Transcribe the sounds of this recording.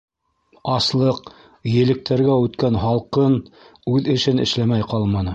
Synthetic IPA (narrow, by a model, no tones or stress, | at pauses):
ɑslˠɤq | jɘ̆lɘ̆k̚t̪æɾɡæʉt̪kænhɑlˠqɤn | ʉðɘ̆ʃɘnɘ̰̆ʃlæmæjqɑlˠmɑnɤ